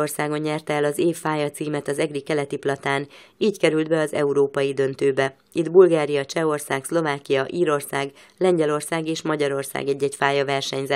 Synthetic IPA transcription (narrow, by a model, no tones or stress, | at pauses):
orsaːɡo̞ɲːɛrt̪ɛɛlɒzeːfːaːjɒt̪siːmɛt̪ɒzɛɡrikɛlɛt̪iplɒt̪aːniːckɛɾyld̪bɛɒzɛuɾoːpɒjid̪ø̞nt̪øːbɛ | id̪bulɡaːɾijɒt͡ʃɛo̞rsaːkslo̞vaːkijɒʔiːɾo̞rsaːɡlɛɲɟɛlo̞rsaːɡeːʃmɒɟɒɾo̞rsa̰ːɡɛɟːɛcfaːjɒvɛrʃɛɲzɛ